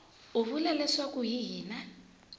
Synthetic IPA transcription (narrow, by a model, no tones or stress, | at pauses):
ʊβulɛlɛsakʼuɦiɦiːna